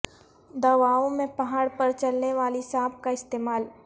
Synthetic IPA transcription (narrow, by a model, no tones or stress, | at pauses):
d̪ɐʋaːõmẽpɐɦaːɽpɐɾt͡ʃɐlneʋaːlisaːb̚kaɪst̪eːmaːl